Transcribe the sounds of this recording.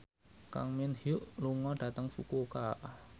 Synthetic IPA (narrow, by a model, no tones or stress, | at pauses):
ka̰ŋminhuʔluŋɔɖ̥a̤t̪əŋfukokaʔ